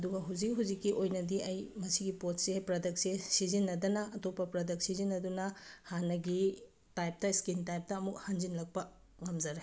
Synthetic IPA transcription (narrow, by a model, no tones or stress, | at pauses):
ɐduɡɐɦuwzik̚ɦuwzikːiʔojnɐdiʔɐjmɐsiɡipot̚sepɾɐdɐk̚sesizinːɐdɐnɐʔɐtopːɐpɾɐdɐk̚sizinːɐdunɐhanːɐɡi | tajp̚tɐiskintajp̚tɐːmuk̚hand͡ʒinlɐk̚pɐ | ŋɐmd͡ʒɐɾe